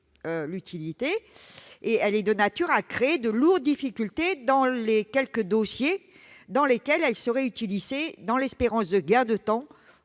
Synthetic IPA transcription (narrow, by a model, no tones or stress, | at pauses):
ølyt̪ʰilit̪eː | ɛlɛd̪ənat̪yʁakχeːd̪əluʁd̪d̪ifikʲylt̪ed̪ɑ̃lekʲɛlkəd̪osje | d̪ɑ̃lekʲɛlɛlsəʁɛyt̪ilized̪ɑ̃lɛspeʁɑ̃sd̪əɡɛ̃d̪ət̪ɑ̃